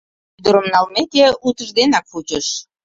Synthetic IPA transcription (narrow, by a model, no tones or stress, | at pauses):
yd̪əɾə̆mnɑlmet̪eut̪əʒd̪enɑkfut͡ɕəʃ